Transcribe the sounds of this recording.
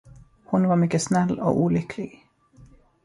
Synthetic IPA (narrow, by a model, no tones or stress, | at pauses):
hʊnʋɑːmʏkːəsnɛlːo̰ːʔuːlʏkʰlɪɡ